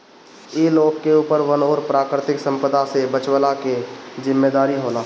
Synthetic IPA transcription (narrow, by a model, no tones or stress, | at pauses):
eloːɡkːeuːpəɾʋənoːɾpɾaːkɾɪt̪ɪksə̃mpəd̪asebət͡ʃwəlaked͡ʒɪmːeːd̪aːɾiɦoːlaː